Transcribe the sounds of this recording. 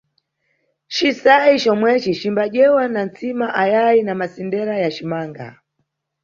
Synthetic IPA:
t͡ʃisait͡ʃɔmwɛt͡ʃit͡ʃimbaʄɛwanant͡simaʔajainamasindɛɾajat͡ʃimaːŋɡa̰

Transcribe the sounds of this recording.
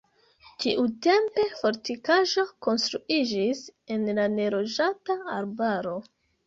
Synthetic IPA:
tiʔute̞mpe̞fo̞ɾtikaʒo̞ko̞nst̪ɾuid͡ʒise̞nlane̞ɾo̞d͡ʒataaɾbaɾo̞

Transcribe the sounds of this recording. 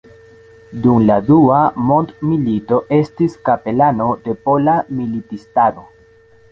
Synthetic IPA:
dumladuamo̞ntmilito̞ʔe̞stiskape̞lano̞de̞po̞lamilitistano̞

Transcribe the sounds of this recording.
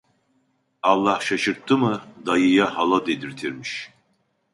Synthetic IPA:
ɑlˠːahʃaʃɯɾt̪ʰːɯmɯd̪ajɯjahalˠad̪ed̪iɾt̪ʰiɾmiʃ

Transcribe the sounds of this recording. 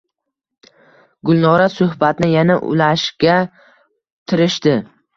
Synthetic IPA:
ɡʊlˠnɒɾasʊhbat̪nɪjanaʔʊ̰laʃɡʲa | t̪ʰɪɾɪʃt̪ɪ

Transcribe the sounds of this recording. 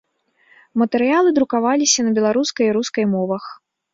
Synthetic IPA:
mɐt̪ɛɾɨjalˠɨd̪ɾukavalʲisʲɐnɐbʲɛlˠaɾuskɐjiɾuskɐjmɔvɐx

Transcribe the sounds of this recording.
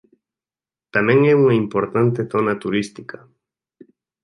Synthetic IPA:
t̪amẽŋeuŋaimpoɾt̪ant̪eθonat̪uɾist̪ikʰa

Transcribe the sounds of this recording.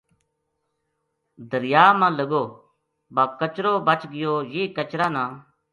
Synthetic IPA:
d̪əɾɪjaːmãːləɡoː | baːkət͡ʃɾoːbət͡ʃɡɪjoːjiːkət͡ʃɾãːnãː

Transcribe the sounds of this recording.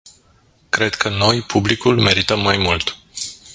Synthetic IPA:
kɾe̞d̪kʰəno̞jpʰublikulme̞ɾit̪əmːajmult̪

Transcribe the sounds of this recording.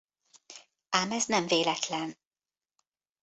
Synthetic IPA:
aːmɛznɛmveːlɛt̪lɛn

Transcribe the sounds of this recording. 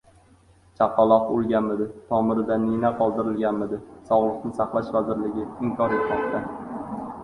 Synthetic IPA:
t͡ʃʰaqːɑlˠɒqolˠɡʲanmɪd̪ɪt̪ʰɒmɪɾɪd̪anːinaqʰɒlˠd̪ɪɾɪlɡʲanmɪd̪ɪsɒwlˠɨqnɪsɑχlˠaʃvazɪɾlɪɡʲɪɪŋkʲʰɒɾɪt̪tʰapt̪ʰːa

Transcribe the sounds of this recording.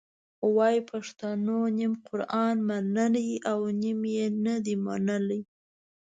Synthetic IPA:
wɑjipʰaʂt̪anonimqʊɾʔɑnmanaliʔawnimjenad̪ima̰nalij

